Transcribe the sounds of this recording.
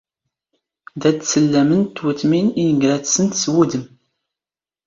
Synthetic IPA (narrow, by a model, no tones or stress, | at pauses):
d̪æt͡sːsəlːæmənt̪ːwət̪miniəɡɾæt͡ssənt̪swud̪əm